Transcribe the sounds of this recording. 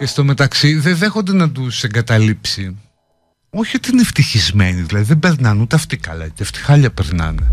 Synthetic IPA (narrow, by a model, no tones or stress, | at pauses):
cest̪o̞me̞t̪ɐksiðeðe̞xo̞nd̪e̞nɐt̪useŋɡɐt̪ɐlipsi | o̞çiot̪iineft̪içizme̞niðilɐðiðebe̞ɾnɐnut̪eɐft̪ikɐ̰lɐ̰ceɐft̪i̥xɐʎɐpeɾnɐ̰n